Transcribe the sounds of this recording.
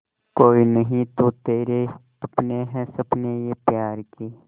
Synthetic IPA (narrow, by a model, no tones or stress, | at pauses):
koːinɐɦĩt̪ot̪eːɾe | ɐpneɦɛsɐbnejepjaːɾkiː